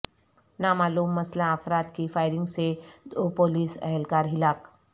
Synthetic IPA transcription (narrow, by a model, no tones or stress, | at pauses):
namaluːmːəslãəfɾat̪kiːfajɾiŋɡsed̪opoliːsə̰ɦɛlkaɾɦilak